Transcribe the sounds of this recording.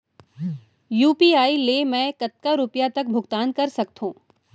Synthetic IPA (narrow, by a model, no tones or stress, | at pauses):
juːpiːaːilemɛ̃ːkɐt̪̚kaɾʊpjat̪ɐk̚bʱʊɡt̪aːnkɐɾsɐk̚t̪ɦũː